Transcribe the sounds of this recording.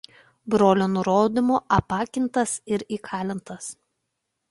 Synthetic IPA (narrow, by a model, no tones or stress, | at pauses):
bɾoːlʲoːnʊɾoːd̪ʲɪmoːʔɐpɑːkʲɪnt̪ɐsɪɾiːkʰɑːlʲɪnt̪ɐs